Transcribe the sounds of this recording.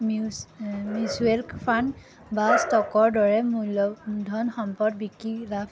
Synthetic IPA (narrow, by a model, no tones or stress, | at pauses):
m | mjuzuɛlkpʰan | bastɔkɔɹdɔɹɛmɔdʱɔnxɔmpɔdbikilap